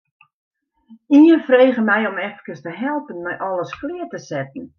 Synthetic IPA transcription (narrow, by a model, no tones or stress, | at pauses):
iənfreːɣəmɛjɔmɛfkəstəɦɛlˠpənmɛjʔɔlˠəsklɪərtəsɛtən̩